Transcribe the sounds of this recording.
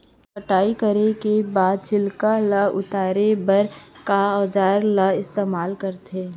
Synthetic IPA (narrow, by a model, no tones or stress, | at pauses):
pəʈaːikəɾekebaːd̪̚t͡ʃʰɪlkaləʊt̪aːɾebɐɾkaɔːd͡ʒaːɾlɐɪst̪eːmaːlkəɾt̪eː